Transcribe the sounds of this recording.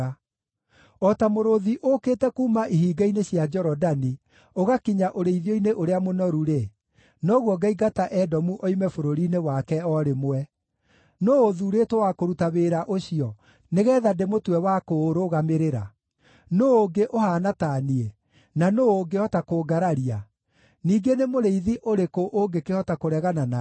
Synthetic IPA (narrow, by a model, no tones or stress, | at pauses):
a | ɔtamoɾoðiʔokeːtɛkuːmaʔiɦiːɡaineɕiad͡ʒɔɾɔdani | oɣakiɲaʔoɾeiðjoineʔoɾeamonɔɾuɾe | nɔɣwɔɡaiɡataʔɛdɔmuʔɔimɛfoɾoɾiːnewakɛɔɾemowɛ | noːðuɾeːtwowakoɾutaβeɾaʔoɕiɔ | neɣɛːðademotwɛwakoɾoɣameɾeɾa | noːɡeʔohaːnataːniɛ | nanoːɡehɔtakoɡaɾaɾia | niːɡenemoɾeiðiʔoɾekoʔoɡekehɔtakoɾɛɣanana